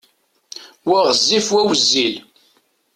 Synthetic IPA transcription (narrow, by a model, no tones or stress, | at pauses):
wæʁəzːifwæwəzːil